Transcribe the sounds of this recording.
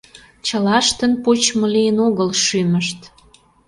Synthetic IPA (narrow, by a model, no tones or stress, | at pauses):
t͡ɕəlɑʃt̪ə̆npot͡ɕmə̆lijənoɣəlʃyməʃt̪